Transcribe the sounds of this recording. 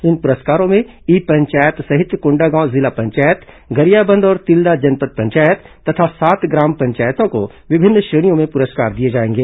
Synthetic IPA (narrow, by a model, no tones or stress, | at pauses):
ɪnpʊɾəskaːɾõmẽ | iːpɐ̃ɲt͡ʃaːjət̪sɐɦɪt̪jkʊ̃ɳɖaɡãːzɪlapɐ̃ɲt͡ʃaːjət̪ | ɡɐɾijaːbə̃nd̪ɔːɾt̪ɪld̪ad͡ʒɐnpət̪̚pɐ̃ɲt͡ʃaːjət̪ːɐt̪ʰasaːt̪ɡɾaːmpɐ̃ɲt͡ʃaːjt̪õko | ʋɪbʱɪnːʃeːɽ̃ijõmẽpʊɾəskaːɾd̪ied͡ʒaːẽːŋɡeː